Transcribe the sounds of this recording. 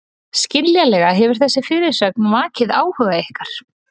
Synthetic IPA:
scɪnljalɛɣaɦɛvʏɾ̥θɛsːɪfɪɾɪɾ̥sœk̚nmaːcɪðaːwhʏɣaihkaɾ̥

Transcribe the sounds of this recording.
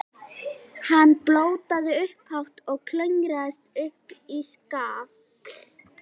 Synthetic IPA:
hanːploːwt̪aðɪʏhphawht̪ɔɣkʰlœŋɾaðɪst̪ʏhpiskaːv

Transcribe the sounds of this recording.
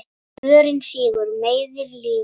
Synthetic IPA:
œːɾʏnsiːɣʏɾmeːjðɪɾlɪː

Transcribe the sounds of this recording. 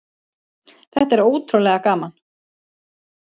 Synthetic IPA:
θɛht̪aɛɾoːwt̪ʰɾowlɛɣakaːman

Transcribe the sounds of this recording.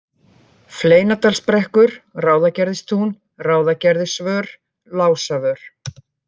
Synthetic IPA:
fleːjnat̪alspɾɛhkʏɾ̥raːwðacɛɾðɪst̪ʰun | raːwðacɛɾðɪsvœːɾ̥ | laːwsavœɾ̥

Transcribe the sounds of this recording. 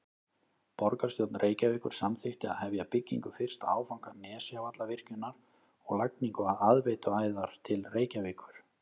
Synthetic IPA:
pɔɾkaɾst̪jowt̪nrʔeːjcavɪːkʏɾ̥samθɪht̪ɪa̰ðhɛvjapɪcːḭŋkʏfɪr̥st̪a̰aːwfawŋkanɛːsɪavat̪lavɪr̥cʏnːaɾ̥ | ɔɣlak̚niŋkʏaðaðvejt̪ʏaːjðaɾ̥t̪ʰɪlreːjcaviːkʏɾ̥

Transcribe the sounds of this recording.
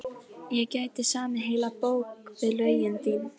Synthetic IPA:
jɛcajt̪ɪsaːmɪɦejlapowkvɪðlœɥjɪnt̪iːn

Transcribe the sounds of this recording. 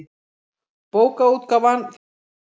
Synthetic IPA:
poːwkaut̪̚kavanθ

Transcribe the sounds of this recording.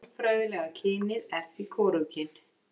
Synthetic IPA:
fɾœɥðɪlɛɣacʰɪːnɪðɛɾ̥θikʰɔːɾuwcɪn

